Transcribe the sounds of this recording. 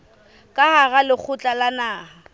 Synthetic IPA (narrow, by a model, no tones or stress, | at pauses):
kʼahaɣalɪk͡xʰʊt͡ɬʼalanaːha